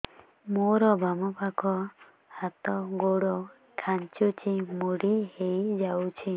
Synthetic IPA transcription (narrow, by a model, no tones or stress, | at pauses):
moɾɔbʱamɔpakɔ | hat̪ɔɡoɽɔ | kʰaɲt͡ʃut͡ʃimoɽihejd͡ʒawt͡ʃʰi